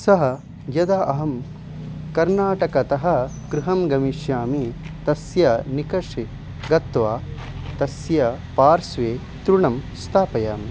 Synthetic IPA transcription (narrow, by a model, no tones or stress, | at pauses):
sɐɦɐ̆ | jɐd̪aʔɐɦɐm | kɐɾnaːʈɐkɐt̪ɐɦɐ̆ | kɾuɦɐmɡɐmiʃjaːmit̪ɐsjɐnikɐʂi | ɡɐt̪ʋaː | t̪ɐsjɐpaːɾsʋeː | t̪ɾuɳɐmst̪ʰaːpɐjaːmi